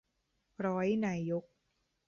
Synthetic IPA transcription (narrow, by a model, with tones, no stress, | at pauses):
ɾɔː˦˥jnaː˧jo˦˥k̚